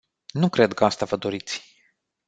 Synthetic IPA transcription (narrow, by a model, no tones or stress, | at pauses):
nukɾe̞d̪kəast̪avəd̪o̞ɾit̪sʲ